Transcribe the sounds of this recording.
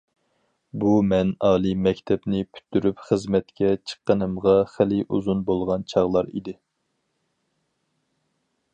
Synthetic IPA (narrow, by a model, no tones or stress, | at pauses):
bumɛnɑːlˠimɛkʲt̪ʰɛpnɪpʰy̥t̪ʰːyɾypχəzmɛt̪kʲʰɛt͡ʃʰə̥qːənɨmʁɑχælɪʔṵzunbolˠʁɑnt͡ʃʰɑʁlˠɑɾḭd̪ɪ